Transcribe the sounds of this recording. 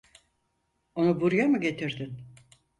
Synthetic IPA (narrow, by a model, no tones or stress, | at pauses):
o̞nubuɾjamɯɟe̞t̪ʰiɾd̪ɪn